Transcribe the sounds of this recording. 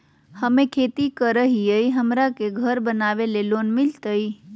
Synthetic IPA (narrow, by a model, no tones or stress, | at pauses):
həmekʰet̪ikəɾəɦijəjɦəmɾakeɡʱəɾbənaβelelonmilt̪əj